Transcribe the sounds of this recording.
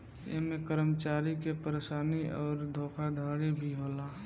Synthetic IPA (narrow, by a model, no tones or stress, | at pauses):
jḛɦmẽkəɾəmət͡ʃaːɾikepəɾeʃaːniɔːɾd̪ʱoːkʰad̪ʱaːɽibʱiɦoːlaː